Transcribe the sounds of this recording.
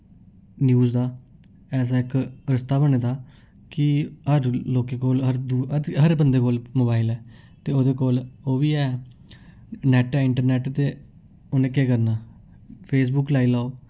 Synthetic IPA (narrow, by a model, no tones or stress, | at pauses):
njuːzd̪aː | ɛːs̬aːɪkɾəst̪aːbəɳeːd̪aː | kɪɦəɾloːkeːkoːlɦəɾd̪uːəɦəɾbənd̪eːkoːlmoːbaːɪlɛː | t̪eːoːd̪eːkoːloːʋiːɛː | nɛːʈɛːɪɳʈəɾnɛːʈt̪eː | oːnẽːkeːkəɾnaː | pʰeːs̬bʊklaːiːlaːoː